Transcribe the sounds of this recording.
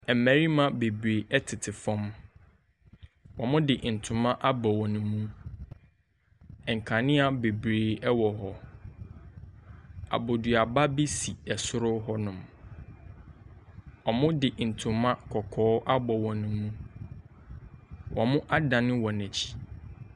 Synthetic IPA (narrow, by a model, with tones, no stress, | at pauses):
ɛ˨mæ̃˨ɾi˦mã˦be˨bɾe˨ɛ˦tʰɪ˨tʰɪ˨fɔ̃˦m | wɔ̃˨mʊ̃˦dɪ˨n̩˨tʰʊ̃˨mã˦ʔa˦bɔ˨wɔ̃˨nʊ̃˨mũ˦ | ɛ˨ŋ̩˨kʰã˨nɪ̃˦a˨be˨bɾeː˨ɛ˦wɔ˨ɦɔ˦ | a̰˨bo˨du˨a˨ba˦be˦si˨ɛ˨sʊ˦ɾʊ˦ɦɔ˦nʊ̃˨m | ɔ˨mʊ̃˦dɪ˨n̩˨tʰʊ̃˨mã˦kʰɔ˨kʰɔː˦ʔa˦bɔ˨wɔ̃˨nʊ̃˨mũ˦ | wʔɔ̃˨mʊ̃˦ʔa˦dã˨nɪ̃˦wɔ̃˨næ˨t͡ɕʰi̥˨